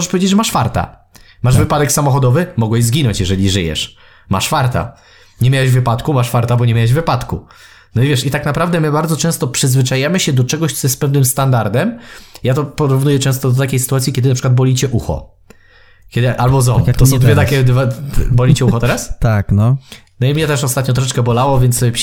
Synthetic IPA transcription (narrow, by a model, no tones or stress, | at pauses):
ʐɛʂpɔvʲed͡ʑed͡ʑʐɛmaʂfaɾt̪a̰ | maʐvɘpad̪ɛksamɔxɔd̪ɔvɘmɔɡwɛʑzɡʲinɔɲt͡ɕjɛʐɛlʲiʐɘjɛ̰ʂ | ma̰ʂfaɾt̪a̰ | ɲemʲawaʑvɘpat̪kumaʂfaɾt̪abɔɲemʲawaʑvɘpat̪ku | nɔivʲjɛʂit̪aknapɾavd̪ɛmɘbaɾd̪zɔt͡ʂɛ̃st̪ɔpʂɘzvɘt͡ʂajamɘɕɛd̪ɔt͡ʂɛɡɔɕt̪sɔjɛspɛvnɘmst̪and̪aɾd̪ɛmjat̪ɔpɔɾuvnujɛt͡ʂɛ̃w̃st̪ɔd̪ɔt̪akʲejsɘ̥t̪uat̪sʲikʲɛd̪ɘnapʂɘ̥kwad̪bɔlʲit͡ɕɛʔuxɔ̰ | kʲɛd̪ʔalbɔzɔmt̪ɔsɔ̃w̃d̪vʲɛt̪akʲɛd̪vabɔlit͡ɕɛuxɔt̪ɛɾast̪aknɔnɔimɲɛt̪ɛʂɔst̪at̪̚ɲɔt̪̬ɾɔʂ̬ɛt͡ʂkɛbɔlawɔvʲjɛnt̪ss